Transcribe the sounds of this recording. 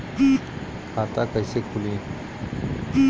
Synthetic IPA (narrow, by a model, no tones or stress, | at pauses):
kʰat̪akajsekʰuli